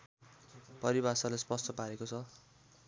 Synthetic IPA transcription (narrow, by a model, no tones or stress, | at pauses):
pʌɾibasalaspʌst̪ʌpaɾekot͡sʰʌ